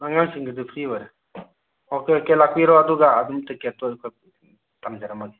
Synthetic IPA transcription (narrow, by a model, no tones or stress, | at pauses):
naŋamsiŋɡɯdɯpʰɾibaɾe | ɔkekelak̚piɾɔaduɡaːdumtɯketɔkʰɔj | tamd͡ʒaɾamaɡi